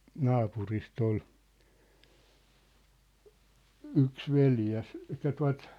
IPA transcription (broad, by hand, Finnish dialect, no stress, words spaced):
nɑːpurist ol yks ʋeljæs etːæ tuɑ̝t